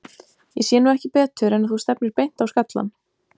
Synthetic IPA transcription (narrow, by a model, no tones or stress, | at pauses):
jɛsjɛːnuːɛhcɪpɛːt̪ʏɾɛnaθust̪ɛp̚nɪɾpejn̥t̪awskat̪la̰n